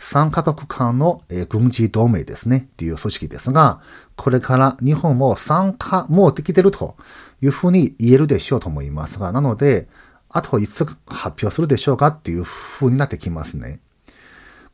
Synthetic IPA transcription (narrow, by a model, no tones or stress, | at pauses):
sãŋkakakɯ̟̥kʰãnno̞eːɡɯ̟̃ɲ̟d͡ʑid̪o̞ːme̞̰ːd̪e̞̰sɨne̞t̪ːe̞jɯ̟ːso̞ɕi̥kʲid̪e̞̰sɨɡakʰo̞ɾe̞kʰaɾaɲ̟ihõ̞mmo̞ːsãŋkʰamo̞ːt̪ekʲit̪e̞ɾɯ̟t̪ʰo̞̰jɯ̟ːɸɯ̟ːɲ̟iːe̞ɾɯ̟d̪e̞ɕo̞ːt̪o̞mo̞ḭma̰sɨɡanano̞d̪e̞ | at̪ʰoiɨkhapʲjo̞ːsɨɾɯ̟d̪e̞ɕo̞ːkat̪ːe̞jɯ̟ːhɯ̟ːɲ̟inat̪ːekʲimasɨnḛ